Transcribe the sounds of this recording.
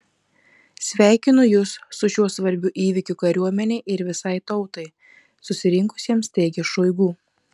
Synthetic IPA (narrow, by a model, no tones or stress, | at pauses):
sʲʋʲæˑɪkʲɪnʊjʊsːʊʃʲuɔsʋɐɾʲbʲʊːʔiːʋʲɪkʲukɐɾʲuɔmʲɛnʲɛɪʔɪɾʋʲɪsɐɪt̪ɒʊt̪ɐɪ | sʊsʲɪɾʲɪŋkʊ̥sʲiɛmst̪ʲeːɡʲɛʃɔɪɡuː